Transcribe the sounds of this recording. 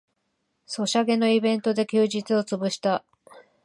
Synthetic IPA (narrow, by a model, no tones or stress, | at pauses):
so̞ɕaɡe̞no̞ibẽ̞nt̪o̞d̪e̞kʲɨːʑit͡sɨo̞t͡sɨbɯ̟ɕi̥t̪a